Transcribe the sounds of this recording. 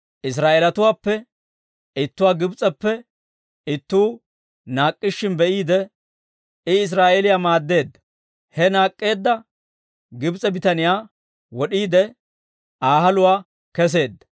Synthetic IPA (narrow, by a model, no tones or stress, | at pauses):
ʔɪs̬ɾaːʔelɐt̪ʊwaːpːɛ | ɪt̪ːʊwaːɡɪbt͡sʼɛpːɛ | ɪt̪ːuː | naːkʼːɪʃːɪnbɛʔiːd̪ɛ | ɪɪs̬ɾaːʔeɛlɪjaːmaːd̪ːe̞ːd̪ːɐ̥ | hɛnaːkʼːe̞ːd̪ːɐ | ɡɪbt͡sʼɛbɪt̪ɐnɪjaː | wɔɗiːd̪ɛ | aːɦɐlʊwaː | kɛs̬e̞ːd̪ːɐ